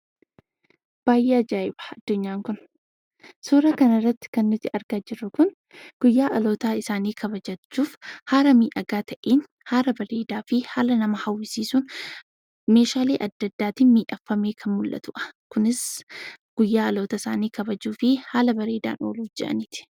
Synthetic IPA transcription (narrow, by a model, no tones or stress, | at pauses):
b̥aːjʔeːɐd͡ʒaːɪbɐ̥ɐd̪ːʊɲːaːŋkʊn | suːɾɐkɐnɐrːɐt̪ːɪ̥kɐnːʊt̪ːɪʔɐɾɡaːd͡ʒɪɾːʊkʊn | ɡ̥ʊjːaːʔɐlo̞ːt̪aːɪsaːniːkʰɐbɐd͡ʒɐt͡ʃːuːfhaːɾɐmiːʔɐɡaːt̪ʰɐʔeːn | haːɾɐbɐɾeːd̪aːfɪhaːlɐnɐmɐhɐwːɪsiːsuːn | me̞ːʃaːleːʔɐd̪ːɐd̪ːaːt̪ɪmiːʔɐfːɐme̞ːkʰɐnmʊlʔɐ̰t̪ʊʔɐ̥kʊnɪs | ɡ̥ʊjːaːɐlo̞ːt̪ɐɪsa̰ːniːkɐbɐd͡ʒuːfɪhaːlɐbɐɾe̞ːd̪a̰ːnʔo̰ːluːfd͡ʒɛʔɐ̰nɪt̪ɪ̥